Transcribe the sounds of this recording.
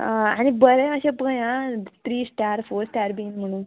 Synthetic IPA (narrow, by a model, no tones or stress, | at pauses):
aɽibəɾeəɕepəjãt̪ɾiːsʈaɾfoɾsʈaɾbinm̤əɽ̃ũːn